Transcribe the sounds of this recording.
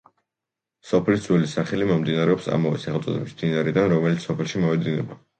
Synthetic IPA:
sɔpʰlid̪zwɛlisaχɛlimɔmd̪inaɾɛɔpsa̰mɔvɛ̰sɛχɛlt̪sʼɔd̪ɛbismd̪̥inaɾɛd̪anɾɔmɛlit̪sʰsɔpʰɛlˠʃimɔvɛd̪inɛ̰ba

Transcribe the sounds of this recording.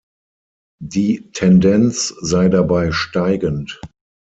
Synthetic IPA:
diːtʰɛndɛnt͡szaɪdabaɪʃtaɪɡənt

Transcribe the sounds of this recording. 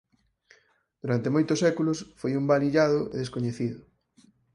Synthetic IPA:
d̪̥uɾant̪emojt̪ʊsɛkulʊsfojumbaliʎaðʊḛðeskoɲeθiðʊ

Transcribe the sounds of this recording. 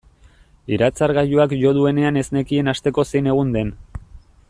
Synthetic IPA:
iɾat͡saɾɣaʎuakʝo̞ðue̞ne̞ane̞zne̞kie̞nast̪e̞ko̞sejne̞ɣ̞und̪e̞n

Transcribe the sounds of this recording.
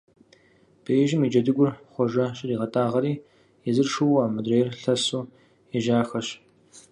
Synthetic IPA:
b̥eːjʒɪmiːd͡ʒɐdɨɡʷʊrχʷɔʒɐɕʼɪriːʁɐtʼaːʁɐɾiː | ɛzɨrʂuwaːmɨdreːjrɬɐsuː | ɛʒaːxɐɕ

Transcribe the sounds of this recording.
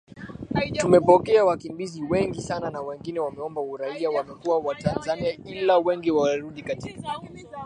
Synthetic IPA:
umɛpɔkɛawakimbiziwɛŋɡisananawɛŋɡinɛwamɛɔmbauɾaiawamɛkuwawatanzaniailawɛŋɡiwaɾuɗikatika

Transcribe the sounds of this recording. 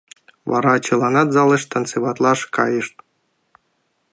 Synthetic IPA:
βɑ̰ɾɑt͡ɕɯlˠɑnɑt̪zɑlˠɤ̆ʃt̪ə̆nt͡sɨβɑt̪lˠɑʂkɑ̰jɯʃt̪̚

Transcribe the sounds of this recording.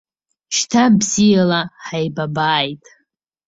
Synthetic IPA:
ʃtʰabzijalaħajbabaːjtʼ

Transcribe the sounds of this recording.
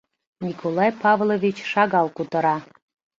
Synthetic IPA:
nʲikʰolˠɑjpɑvlˠovʲit͡ɕʃɑɣɑlˠkut̪ə̆ɾɑ

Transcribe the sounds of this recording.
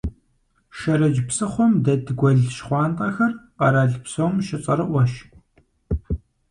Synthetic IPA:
ʃɐɾɐd͡ʒpsɐχʷɔmdɐdɡʷɔɮʃχʷɑːntʼɐxɐrqɐɾaːɮpsowmʃɪt͡sʼɐ̰ɾɨʔʷɐʃ

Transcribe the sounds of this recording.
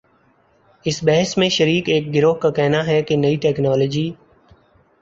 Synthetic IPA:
ɪsbɛɦəsmẽʃəɾiːkeːk̚ɡɪɾoːɦkakɛɦnaɦɛkenɐiʈɛːknɔːləːd͡ʒiː

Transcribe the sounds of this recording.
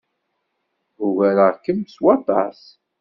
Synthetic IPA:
uʝæɾəʁkːəmswɑt̪ˤɑ̰s

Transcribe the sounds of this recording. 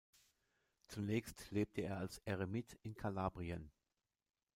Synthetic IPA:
t͡sunɛːçstleːp̚tʰəeːɐalsʔɛʁemɪtʰɪnkʰalaːbʁiən

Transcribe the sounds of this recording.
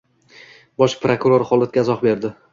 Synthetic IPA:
bɒʃpɾokuɾoɾχɒlˠat̪̚ɡʲaɪzɒqbe̞ɾd̪ɪ

